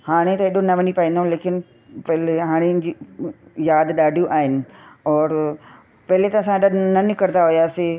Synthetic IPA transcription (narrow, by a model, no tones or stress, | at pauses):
haːɽ̃et̪ɐeɗonɐʋɐnipaĩːnd̪ɦũleːkɪnɪ | pɛɦleɦaːɽ̃ed͡ʑiːjaːd̪ɗaːɖʱijũʔaːɦɪnɪ̆ɔːɾ | pɐɦɪlet̪ɐɐsãeɗanɐnɪkəɾd̪aɦʊjaːseː